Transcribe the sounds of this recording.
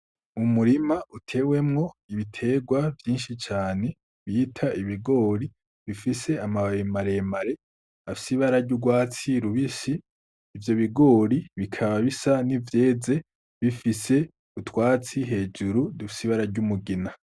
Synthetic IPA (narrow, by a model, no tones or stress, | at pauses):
umuɾimautʰe̞ːwe̞mŋo̞iβitʰe̞ːɡwavjiːnʃit͡ʃaːne̞ | βiːtʰaiβiɡo̞ːɾi | βifise̞amaβaemaɾe̞maɾe̞ | afi̥siβaɾaɟuɡwaːt͡siɾuβisiː | vjo̞βiɡo̞ːɾiβikʰaβaβisanivje̞ːd͡ze̞ | βifise̞ | utwaːt͡siɦe̞ːd͡ʒuɾudufi̥siβaɾaɾɟumuɡina